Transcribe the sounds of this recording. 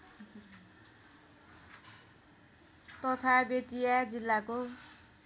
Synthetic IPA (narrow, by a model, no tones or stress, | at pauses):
t̪ʌt̪ʰabet̪ijad͡zilːako